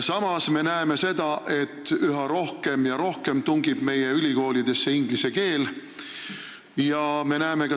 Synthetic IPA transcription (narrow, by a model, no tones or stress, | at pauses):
sɑmɑsme̞næeme̞se̞d̪̥ɑʔe̞t̪ːˑyɦɑɾo̞hke̞mjɑɾo̞hke̞mt̪uŋɡib̥me̞je̞ylʲiko̞ːlid̪e̞sːe̞iŋɡ̥lise̞ke̞ːl | jɑme̞næeme̞kɑ